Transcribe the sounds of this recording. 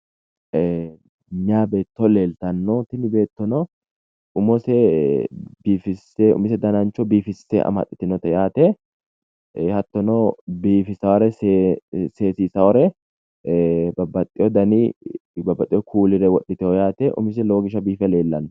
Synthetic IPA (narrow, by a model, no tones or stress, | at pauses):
ɲaːbe̞ːt̪ːɔle̞ːlt̪ɐnːɔt̪ɪnɪbe̞ːt̪ːɔnɔ | ʊmɔsɛ | biːfɪsɛʊ̰mɪs̬ɛd̪ɐnɐnt͡ʃːɔbiːfɪsːɛ̰ʔɐ̰mɐ̰t̪ʼːɪ̥t̪ɪnɔt̪ɛjaːt̪ɛ | hɐt̪ːɔnɔbiːfɪsɐwɔɾɛ | seːsiːsɐwɔɾɛ | bɐbːɐt̪ʼːɪjɔd̪ɐnibɐbːɐt̪ʼːɪjɔkʰuːlɪɾɛwɔɗːɪt̪ɛɔjaːt̪ɛʔʊ̰mɪs̬ɛloːɡɪʃɐbiːfɛleːlːɐnːɔ